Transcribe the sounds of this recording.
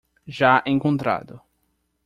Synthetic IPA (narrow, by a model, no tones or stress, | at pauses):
ʒaʔẽŋkõnt̪ɾa̰d̪ʊ